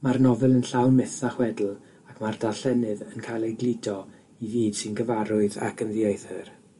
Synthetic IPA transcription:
marnɔvɨlˠənɬawnmɪθaχwɛdl̩ˠ | akʰmardaɬɛnɨðənkʰajlˠejɡlɪdɔ | iviːd̥sɨnɡəvaɾʊɨða̰kʰənðiejθɨr

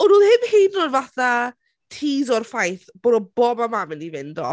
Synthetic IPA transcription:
ɔnuːlˠhɪmhednɔdvaθa | tʰiːzɔrfajθb̥oːdɔbɔbamamənivɪndɔ̰

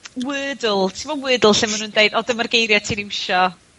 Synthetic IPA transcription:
wɨːdlˠtʰimvɔwɨːdəl̩ˠɬɪnmanuːndejdɔdəmarɡejɾjɔtʰiːnimɪʃɔ

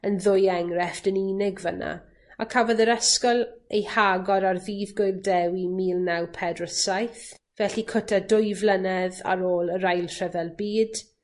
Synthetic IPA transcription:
ənðʊjɛŋrɛfd̥əniːnɪɡvəna̰ | akʰavɔðəɾɛskɔlˠejhaɡɔɾarðiːðɡʊjldɛwimiːlˠnawpʰɛdrəsajθ | vɛɬikʰʊtʰadʊjvlənɛða̰ɾoːlˠəɾajlˠr̥ɛvɛlˠbiːd̥

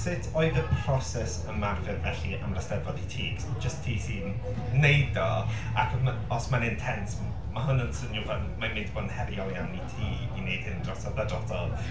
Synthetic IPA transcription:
sɪtʰoɨðəpʰrɔsɛsəmarvɪrvɛɬiʔa̰mrəstɛvɔditʰiːɡd͡ʒəstʰiːsiːnː | ejdɔ | akʰa | ɔsmanɪntʰɛnt | maɦʊnənsənjʊvanmamɪndbɔnhɛɾijɔlˠjawnitʰiːinejd̥hɪndrɔsɔvadrɔdʰɔ̰lˠ

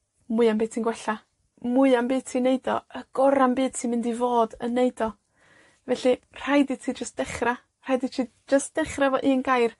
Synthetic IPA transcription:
mʊɨambeːtʰinɡwɛɬa | mʊɨambeːtʰineɨdɔ̰əɡ̥ɔɾambeːdtʰimɪndivoːdənːejdɔ | vɛɬi | r̥ajditʰiːd͡ʒəst̚d̥ɛχra | r̥ajditʰiː | d͡ʒəstd̥ɛχravɔʔiːnɡajr

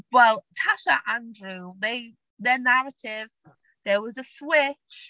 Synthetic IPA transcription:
wɛlˠtʰaʃəʔãndɹʉðeɪ | ðənaɹətʰɪv | ðəwɒzəswɪt͡ʃ

